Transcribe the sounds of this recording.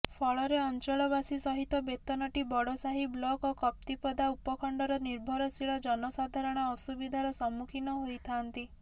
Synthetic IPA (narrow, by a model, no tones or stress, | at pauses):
pʰɔɭɔɾeɔnt͡ʃɔɭɔbasisɔɦit̪ɔbet̪ɔnɔʈibɔɽɔsaɦiblɔkɔkɔp̚t̪ipɔd̪aupɔkʰɔɳɖɔɾɔniɾbʱɔɾɔsiɭɔd͡ʒɔnɔsad̪ʱaɾɔɽ̃ɔːsubid̪ʱaɾɔsɔmukʰinɔɦojt̪ʰant̪i